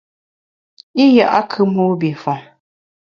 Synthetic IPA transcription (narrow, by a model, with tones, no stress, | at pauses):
i˦ja˨ʔa˦kʰɨ˦mo˦bi˨fɔ˨